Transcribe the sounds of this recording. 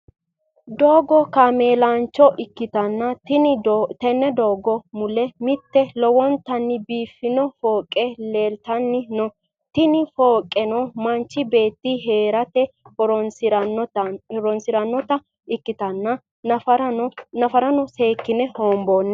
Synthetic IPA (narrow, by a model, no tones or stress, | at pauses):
d̪oːɡɔkame̞ːlant͡ʃːɔʔɪkːɪt̪ɐnːɐt̪ɪnɪt̪ɛnːɛd̪oːɡɔmʊlɛmɪt̪ːɛlɔwɔnt̪ːɐnːɪbiːfːɪnɔfoːkʼːɛleːlt̪ɐnːɪnɔ | t̪ɪnɪfoːkʼːɛnɔmɐnt͡ʃːɪbe̞ːt̪ːiɦe̞ːɾɐt̪ɛɔɾ | ɾɔnsɪɾɐnːɔt̪ɐ | ɪkːɪt̪ɐnːɐ | nɐfɐɾɐnɔse̞ːkːɪnɛhoːmboːnːɛ